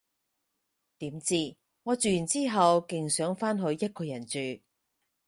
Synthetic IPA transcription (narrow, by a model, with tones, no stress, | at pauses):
t̪iː˨˥mt͡siː˥˩ | ŋɔː˨˧t͡ʃyː˨˩jy˨˩nt͡siː˥ɦɐ˨wkɪ˨ŋsœː˨˥ŋfaː˥nɦɵ˧ɥjɐ˥t̚kɔː˧jɐ˨˩nt͡ʃyː˨